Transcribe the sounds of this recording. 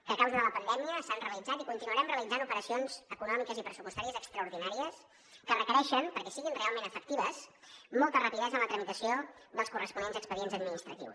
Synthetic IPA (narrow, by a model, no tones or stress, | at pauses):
kəlkawzðələpənd̪ɛmiəsanreəlid͡zat̪ikunt̪inuəɾɛmreəlid͡zanupəɾəsionz̥əkunɔmikəzipɾəsupust̪aɾiəzəkst̪ɾəuɾðinaɾiəs | kərəkəɾɛʃəmpəɾkɛsiɣinrealˠmẽnəfək̚t̪iβəsmɔlˠt̪ərəpiðɛzənlət̪ɾəmit̪əsioðəlˠskurəspunenzəkspəðienzəd̪̚minist̪ɾə̰t̪ḭws